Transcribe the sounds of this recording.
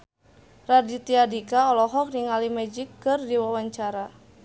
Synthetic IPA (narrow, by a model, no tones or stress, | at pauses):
radit̪iadikaɔlɔɦɔk̚niŋalimɛd͡ʒikːɨrdiwawaɲt͡ʃaɾa